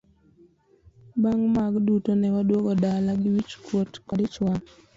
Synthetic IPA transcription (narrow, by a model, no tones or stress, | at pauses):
baŋmaɡdutonɛwadwoɡodalaɡɪwit͡ʃkwotkɔdɪt͡ʃwan